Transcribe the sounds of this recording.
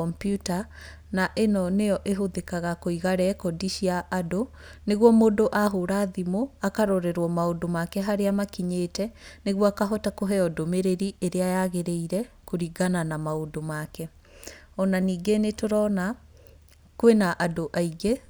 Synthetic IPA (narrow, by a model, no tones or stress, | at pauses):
ɔmpjuta | naʔenɔnejɔʔeɦoðekaɣakoiɣaɾɛkɔdiʃiaʔːdo | neɣwɔmodoʔaɦoɾaːðimoakaɾoɾɛɾwɔmaodomakɛɦaɾeamakiɲeːtɛneɣwɔakaɦɔtakoɦɛɔdomeɾeɾiʔeɾeajaɣeɾeiɾɛkoɾiɡananamaodomakɛ | ɔnaniːɡenetoɾɔna | kowenaʔadoʔaiɡe